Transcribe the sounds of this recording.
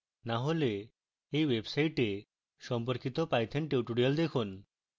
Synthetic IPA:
naɦole | ejʋebsaiʈe | sɔmp̬əɾkit̪ɔpajt̪ʰeɳʈewʈuɽijɔld̪ekʰun

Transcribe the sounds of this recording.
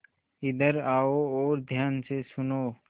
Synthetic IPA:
ɪd̪əɾaːoɔːɾd̪ʱjaːnsesʊnoː

